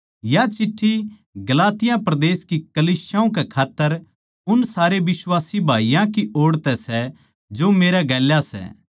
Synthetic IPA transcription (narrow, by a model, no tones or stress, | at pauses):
jat͡ʃɪʈʰːi | ɡɐlaːt̪ɪjãpɾɐd̪eːskikɐliːsjaũkɛkʰaːt̪ːəɾ | ʊnsaːɾeʋɪswaːsibʱaːijãkiʔoːɽt̪ɛsɛ | d͡ʒomeːɾaɡɛːljasɛ̰